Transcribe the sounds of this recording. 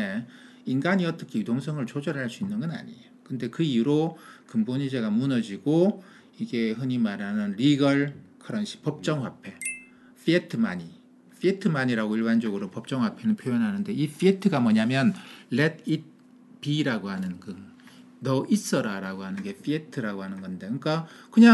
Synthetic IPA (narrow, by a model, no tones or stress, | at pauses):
e | inɡaɲiʌt͈ʌkʰe̞judoŋsʰʌŋɯɭt͡ɕʰod͡ʑʌɾɦaɭs͈uinːɯnɡʌna̰ɲiokɯnde̞kɯiuɾokɯmboɲid͡ʑe̞ɡamunʌd͡ʑiɡo | iɡe̞ɦɯɲimaɾanɯnɾiɡʌɭkʰɯɾʌnɕʰi̥pʌp̚t͡ɕ͈ʌŋɸwapʰe̞ | fietʰɯmaɲi | ɸ͈ʰietʰɯmaɲiɾaɡoiɭband͡ʑʌɡɯɾopʌp̚t͡ɕ͈ʌŋɦwapʰe̞nɯnpʰjojʌnɦanɯnde̞ifietʰɯɡamʌɲamjʌnletit̚ | piɾaɡohanɯnkɯ | nʌʔis͈ʌɾaɾaɡoɦanɯnɡe̞fietʰɯɾaɡoɦanɯnɡʌnde̞ɯk͈akɯɲa